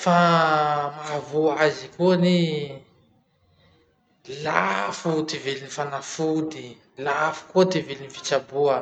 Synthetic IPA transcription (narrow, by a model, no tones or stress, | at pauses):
fa | makavuazikuni | lafut̪evelinifanafud̪i | lafu̥kot̪evelinifi̥t͡ʃabuə